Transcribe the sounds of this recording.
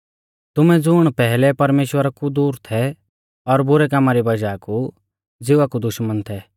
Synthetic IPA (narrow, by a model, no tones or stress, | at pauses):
t̪ʊmɛd͡zʊɽ̃pɛɦlɛpɐɾmeːʃwəɾakud̪uːɾt̪ʰɛ | ɔɾbʊɾɛkamaɾibɐd͡ʒaːku | d͡zɪʋakud̪ʊʃmənt̪ʰɛː